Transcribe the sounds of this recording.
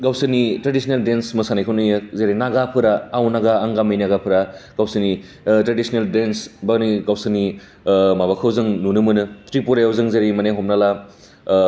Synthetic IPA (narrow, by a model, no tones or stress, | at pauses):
ɡawsɯnitɾedisʰneldensmɯsanekʰɯwnɯjɯzeɾinaɡapʰɯɾaːwnaɡaːŋɡamɯjnaɡapʰɯɾaɡawsɯni | tɾedisneldensbaɡniɡawsɯni | mabakʰɯwzɯŋnunɯmɯnɯt̪ʰɾipuɾajawzɯŋzeɾimɐneɦɔmnala